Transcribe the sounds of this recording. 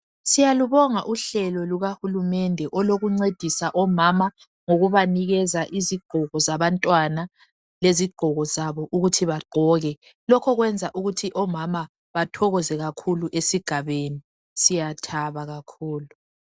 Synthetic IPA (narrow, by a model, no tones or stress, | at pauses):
sijaluβɔŋaʔuɬɛlɔluɣahulumɛndʱɛʔɔloɣuŋ͡ǀed̥ʱisaʔɔmama | ŋoɣuβaniɣɛzaʔiziɡ͡ǃ̥ʱɔɣɔzaβantʼwana | leziɡ͡ǃʱɔɣɔzaβɔʔuɣutʰiβaɡ͡ǃʱɔɣɛ | lɔkʰɔɣwɛnd͡zʱaʔuɣutʰiʔɔmama | βatʰɔɣɔzɛɣakʰuluʔesiɡ̥ʱaβeni | sijatʰaβaɣakʰuːlu